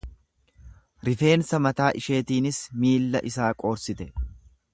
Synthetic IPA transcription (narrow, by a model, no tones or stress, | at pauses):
ɾɪfe̞ːnsɐmɐt̪aːʔɪʃe̞ːt̪iːnɪsmiːlːɐ̰ʔɪsaːkʼo̞ːɾsɪt̪ɛ